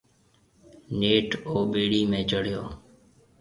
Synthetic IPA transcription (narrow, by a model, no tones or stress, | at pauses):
neːʈoːɓeːɽiːmẽːd͡ʒəɽ̤joː